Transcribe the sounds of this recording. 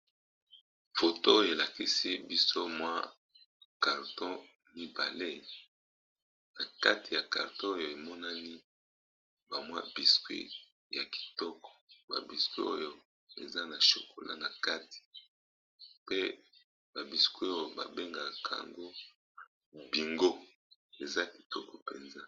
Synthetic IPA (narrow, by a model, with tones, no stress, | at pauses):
fo˨to˦o˦jo˨e˨la˨ki˦si˦bi˦so˦mwa˦ | ka˨ʁtɔ̃˦ | mi˦ba̰˨le˦ | na˨ka˦ti˨ja˨ka˨ʁtɔ̃˦o˦jo˨e˨mɔ˦na˦ni˦ | ba˨mwa̰˦bi˨skwḭ˦ | ja˨ki̥˨tɔ˦kɔ̥˨ba̰˨bi˨skwḭ˦o̰˦jo˦ | ḛ˨za˦na˨ʃo̰˨ko̰˨lʔa̰˦na˨ka˦ti̥˨ | pe˦ | ba˨bi˨skwe˦o˦o˦˨ba̰˨be˦ŋɡa˨kʰa̰˨ŋɡo˦ | bi˨ŋɡo˦ | e˨za˦ki̥˨tɔ˦kɔ˨pe˨nza˦